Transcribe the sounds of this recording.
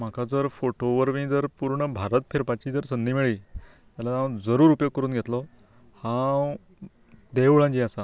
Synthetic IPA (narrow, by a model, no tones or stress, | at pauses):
m̤akʰad͡zəɾfoʈoʋəɾʋĩːd͡zəɾpuɾɳəbʱaɾət̪fʰeɾpat͡ɕiːd͡zəɾsənd̪imiɭiː | t̪jalaãwd͡zəɾuːɾupjəkːəɾuːnɡʱet̪lɔ | hã | d̪euɭãɲd͡ʑiːasa